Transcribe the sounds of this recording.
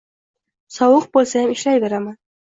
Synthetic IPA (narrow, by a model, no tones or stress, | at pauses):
sɒwʊq̚bolˠsajamɪʃlajveɾama